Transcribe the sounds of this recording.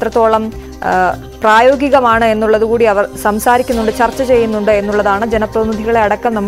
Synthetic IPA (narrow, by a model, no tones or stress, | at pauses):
t̪rɐt̪ːo̞ːɭɐm | praːjo̞ːɡiɣɐmaːɳɨe̞nːuɭːɐðukuːɽiɐʋɐrsɐmsaːɾikʲːunːuɳɖɨt͡ɕɐrt͡ɕːɐt͡ɕe̞jːunːuɳɖɨe̞nːuɭːɐðaːɳɨd͡ʑenɐprɐðinid̪ʱiɣɐɭe̞ɐɽɐkːɐmnɐmː